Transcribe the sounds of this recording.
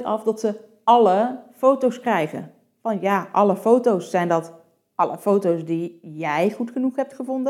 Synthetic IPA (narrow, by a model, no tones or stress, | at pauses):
tɑ̰fdɑtsə | ʔɑləfowtowskrɛjχə̰n | fɑnjaːʔɑləfowtowsːɛjndɔt | ʔɑləfowtowsdijɛjχutχənuχɦɛp̚tχəvɔndə